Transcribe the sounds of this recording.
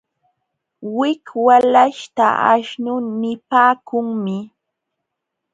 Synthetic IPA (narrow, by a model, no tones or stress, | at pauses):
wɪkwalaʃt̪aa̰ʃnʊnɪpaːkʊŋmɪ